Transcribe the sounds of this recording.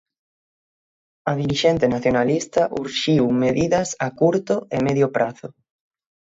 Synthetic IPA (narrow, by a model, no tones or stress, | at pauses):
ɐðiɾiʃɛnt̪enaθjonalist̪aʔuɾʃiwmeðiðɐsakuɾt̪ʊemeðjopɾʔaθʊ